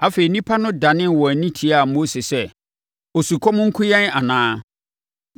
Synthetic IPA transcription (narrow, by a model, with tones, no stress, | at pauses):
a˨fe˨i˨nĩ˦pʰa˦nʊ̃˦da˨nɪ̃˦n˨wɔ˨æ˨nĩ˦tʰi˨a˦˨mo˦se˨sɛ˦ | o˨su˨kʰɔ˦mʊ̃˦ŋ̩˦kʰʊ̃˦jɛ̃˦na˨nãː˨˦